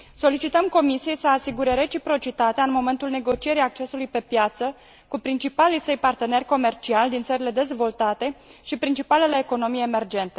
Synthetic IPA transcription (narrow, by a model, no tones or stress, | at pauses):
so̞lit͡ʃit̪əmko̞misije̞jsəasiɡuɾe̞ɾe̞t͡ʃipɾo̞t͡ʃit̪at̪eaɨnmo̞me̞nt̪ulne̞ɡo̞t͡ʃije̞ɾijak̚t͡ʃe̞sulujpe̞pjat̪sə | kupɾint͡ʃipalisejpart̪e̞ne̞rʲko̞me̞rt͡ʃialʲd̪int̪səɾile̞d̪e̞zvo̞lt̪at̪e̞ʃipɾint͡ʃipaleleːko̞no̞mijeːme̞rd͡ʒe̞nt̪e̥